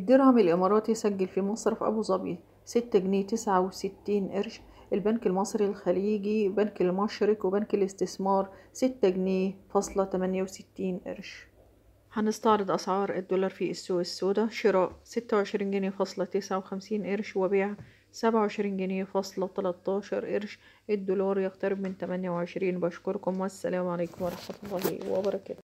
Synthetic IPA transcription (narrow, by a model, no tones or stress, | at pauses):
ʔed̪ːeɾhæmelʔɪmɑːɾˤɑːt̪jesæɡːælfimɑsˤɾˤɑfʔæ̰buːzˤɑbiː | sɪt̪ːæɡneːt̪ɪsʕawsɪt̪ːiːnʔeɾʃ | ʔelbænkelmɑsˤɾilxæliːɡibænkelmɑʃɾɪkwebænkelɪst̪ɪsmɑːɾˤsɪt̪ːæɡneːfɑsˤlɑt̪æmænjæwsɪt̪ːiːnʔḛɾʃ | ħænɪst̪ɑʕɾɨd̪ˤʔɑsʕɑːɾˤʔɪd̪ːolɑːɾˤfiʔsːuːʔɪsːoːd̪æʃɪɾˤɑːʔsɪt̪ːæwʕeʃɾiːnɡɪnjfɑsˤlɑt̪ɪsʕawxæmsiːnʔeɾʃwɪbeːʕa | sæbʕaʕeʃɾiːnɡænejfɑsˤlɑt̪ælɑt̪ˤːɑːʃɑɾˤʔeɾʃ | ʔɪd̪ːolɑːɾˤjɪɣt̪ɑɾɪbmɪnt̪æmænjæwʕeʃɾiːnbæʃkʊɾkʊmwæsːæ̰læːmʕaleːkʊmwɑɾˤɑħmæt̪ʊlˤːɑːhḭwḛbɑɾˤɑkæd̪æ